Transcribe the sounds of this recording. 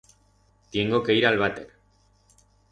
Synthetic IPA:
t̪jeŋɡokejɾalβat̪eɾ

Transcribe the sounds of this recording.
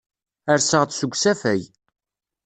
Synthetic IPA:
əɾsəʁt͡s̪sʊɡʷsæfæj

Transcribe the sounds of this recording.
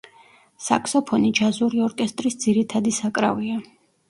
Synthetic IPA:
sa̰kʰsɔpʰɔnid͡ʒazuɾiɔɾkʼɛst̪ʼɾisd̪ziɾit̪ʰad̪isakʼɾa̰via

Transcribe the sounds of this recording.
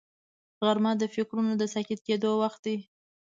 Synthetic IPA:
ɣaɾmɑd̪əfɪkɾunod̪əsakit̪̚ked̪owaxt̪̚d̪i

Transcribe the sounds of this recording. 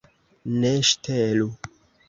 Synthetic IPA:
neʃtʰelu

